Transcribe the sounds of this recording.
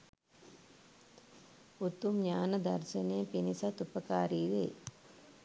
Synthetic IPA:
ut̪ːumɲaːnɐd̪ɐ̰ɾʃɐnejɐpinisɐt̪upɐkaːɾiːʋḛː

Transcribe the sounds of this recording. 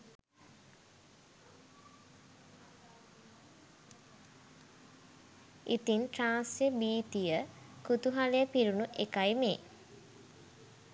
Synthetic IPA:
ʔit̪inʈɾaːnsjebiːt̪ijəkut̪uɦalejəpiɾunuʔekajme

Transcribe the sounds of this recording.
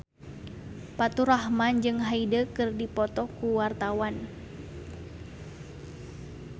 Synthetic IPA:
pat̪uɾahmand͡ʒɨŋɦaidəkɨrdipɔt̪ɔkuwart̪awan

